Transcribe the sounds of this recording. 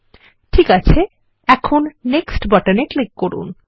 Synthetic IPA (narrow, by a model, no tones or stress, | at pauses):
ʈʰikat͡ɕʰe | ɛkʰonːeksʈbaʈaneklikːoɾṵn